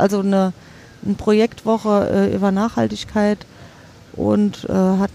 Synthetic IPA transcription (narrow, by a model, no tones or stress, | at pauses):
ʔalzonə | npʁ̥ojɛktv̥ɔχəʔɛːʔy̰ːbɐnaːχha̰ltɪçkʰaɪt | ʔʊ̰ntʔɛːɦat̚